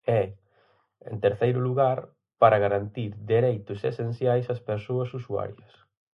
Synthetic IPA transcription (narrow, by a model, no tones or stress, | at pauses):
ɛ | ḛnt̪eɾθejɾʊluɣaɾ | paɾɐɣaɾant̪iɾd̪eɾejt̪ʊsḛsen̟θjajsɐspeɾsoɐsusua̰ɾjɐs